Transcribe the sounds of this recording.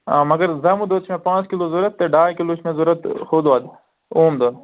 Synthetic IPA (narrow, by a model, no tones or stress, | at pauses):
aːmɐɡɐɾzɐmud̪oːt̪t͡ʃʰmẽpãːt͡skiloːzuɾɐt̪ːeɖaːjkilut͡ʃʰmẽzuɾɐt̪xoːd̪ad̪ | oːmd̪o